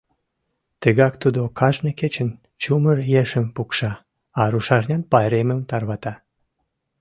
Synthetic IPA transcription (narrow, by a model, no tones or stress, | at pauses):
t̪əɣɑkt̪ud̪okʰɑʒnʲəket͡ɕə̆n | t͡ɕumərjeʃəmpukʃɑː | ɾuʃɑʒnʲɑnpɑjɾemə̆mt̪ɑrβɑt̪ɑ